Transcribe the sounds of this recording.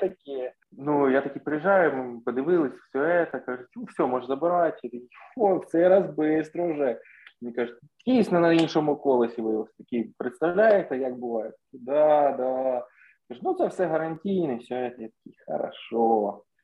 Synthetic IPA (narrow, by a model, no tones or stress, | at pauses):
t̪ɐkʲɪ | nujat̪ɐkʲipɾejiʒɑjʊmɪpɔd̪ɪʋɪlˠɪsʲfsʲɔɛt̪ɐkɑʒʊtʲufsʲɔmɔʒzɐbɪɾɑjt͡ʃjɛt̪ɐkʲifɔt̪sɛɾɐzbɪst̪ɾɔʊʒɛ | menʲikaʒʊtʲ | dʲijsʲnɐnɐinʃɔmʊkɔlˠɐsʲiʋɪɔsʲt̪ɐkʲipɾɪt̪st̪ɐʋlʲajet̪ɛjak̚bʊʋɑjɛt̪ːɐ̥kʲid̪ɑd̪ɑ | kaʒʊnutsɛwsɛɦɐɾɐnʲtʲijnɛsʲɔɛt̪ɐjat̪ɐ̥kʲixɐ̰ɾɐ̰ʃɔ